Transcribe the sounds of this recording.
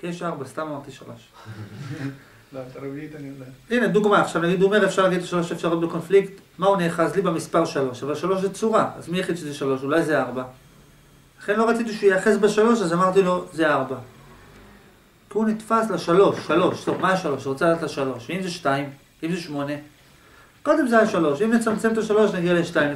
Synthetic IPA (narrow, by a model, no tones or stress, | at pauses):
keʃaʁbastamamaʁt̪iʃa̰lʔo̞̰ʃ | t̪aɾeviit̪anijod̪eine̞d̪uɡmaaχʃavnaɡid̪uome̞ʁefʃaʁlaɡid̪̚t̪laʃalo̞ʃaefʃaʁot̪beko̞nfliktmauneχazlibemispaʁʃalo̞ʃavalʃalo̞ʃ̬zet͡suʁaazmijaχid̪ʃezeʃalo̞ʃulajzeaʁba | laχe̞nlo̞at͡sit̪̬iʃujeaχe̞sbeʃalo̞ʃazamaʁt̪ilo̞zeaʁba | kiunit̪fasleʃalo̞ʃːalo̞ʃtobmajaʃalo̞ʃʁot͡salad̪atleʃalo̞ʃveimzeʃtaim | imzeʃmo̞ne̞ | ko̞d̪e̞mzeajaʃalo̞ʃimnet͡samt͡se̞mt̪aʃalo̞ʃnaɡialeʃtajim